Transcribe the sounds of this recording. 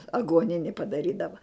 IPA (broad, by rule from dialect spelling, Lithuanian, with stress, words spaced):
ɐɡuɔˈnʲɪnʲɪ pɐdɐˈrʲiːdɐʋɐ